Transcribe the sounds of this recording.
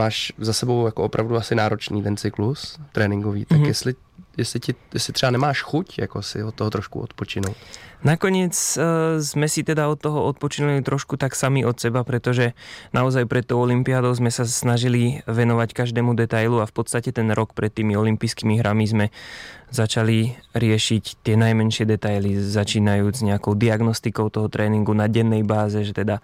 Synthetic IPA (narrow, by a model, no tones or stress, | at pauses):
maːʃzasɛbowjakoopɾavduasɪnaːɾot͡ʃnḭːt̪ɛnt͡sɪklust̪ɾɛːnɪŋɡovḭːt̪ajɛslɪ | jɛslɪcɪjɛslɪt̪r̥ɛbanɛmaːʃxucja̰kosɪ̰ot̪ːoɦɔt̪ɾɔʃkṵʔot̪pot͡ʃɪnuowt̪nakɔɲɪɛt͡szmɛsit̪ɛd̪aɔt̪ːɔɦɔɔt̪̚pɔt͡ʃɪnulit̪ɾɔʃkut̪aksamiʔɔt̪sɛbapɾɛt̪ɔʒɛnaɔzajpɾɛt̪t̪ːɔʊɔlimpiaːd̪ɔʊzmɛsasnaʒiliʋɛnɔʋackaʒd̪ɛːmud̪ɛt̪ajluafpɔt̪st̪acɛt̪ɛnɾɔkpɾɛt̪ːiːmiɔlimpijskiːmiɦɾʔamizmɛzat͡ʃaliɾɪɛʃict̪ɪɛnajmɛnʃɪɛd̪ɛt̪ajlizat͡ʃiːnajuːd͡zɲɛakɔʊd̪iaɡnɔst̪ikɔʊt̪ɔɦɔt̪ɾɛːniŋɡunaɟɛnːɛjbaːzɛʒɛt̪ɛd̪a